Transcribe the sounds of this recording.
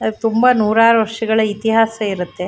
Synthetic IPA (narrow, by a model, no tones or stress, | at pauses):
ɐt̪umbɐnuːɾaːɾuʋɐʂɐɡɐɭɐit̪iɦaːsɐiɾut̪ːe̞